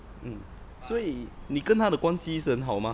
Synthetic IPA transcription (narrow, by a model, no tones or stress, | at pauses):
m̩ | swɔinĩkənt̪ʰad̪əkwansisənɦawmã